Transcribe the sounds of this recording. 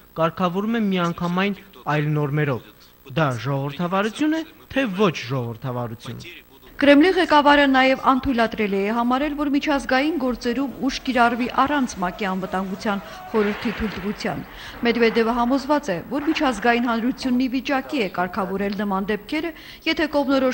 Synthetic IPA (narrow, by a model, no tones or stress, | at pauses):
kɑɾkʰɑvɔɾumɛmiɑŋkʰɑmɑjnɑjlnɔɾmɛɾɔv | d̪ɑʒɔʁɔvəɾt̪ʰɑvɑɾut͡sʰjunɛt̪ʰɛvɔt͡ʃʰʒɔɔvəɾt̪ʰɑvɑɾut͡sʰjṵn | kəɾɛmliʁɛkɑvɑɾənɑjɛvɑnt̪ʰujlɑt̪ɾɛliɛɦɑmɑɾɛlvɔɾmit͡ʃʰɑzɡɑjinɡɔɾt͡sɛɾumuʃkiɾɑrviʔɑrɑnt͡sʰmɑkiɑnvət̪ɑŋɡut͡sʰjɑn | χɔɾəɾt̪ʰit̪ʰujlt̪əʁut͡sʰjɑ̰n | mɛd̪vɛd̪ɛvəɦɑmɔzvɑt͡sɛvɔɾmit͡ʃʰɑzɡɑjinɦɑnɾut͡sʰjunːivit͡ʃɑkiɛkɑɾkʰɑvɔɾɛlnəmɑnd̪ɛp̚kʰɛɾə | jɛt̪ʰɛkɔʁmnɔɾɔ